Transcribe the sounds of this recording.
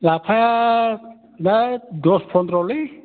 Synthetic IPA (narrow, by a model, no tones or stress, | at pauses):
lapʰa | nad̪ɔspʰɔnd̪ɾɔli